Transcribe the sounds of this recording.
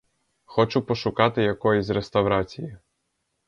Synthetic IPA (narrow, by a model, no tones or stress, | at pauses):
xɔt͡ʃupɔʃʊkɑt̪ɪjɐkɔjɔsʲrest̪ɐwɾɑt͡sʲiji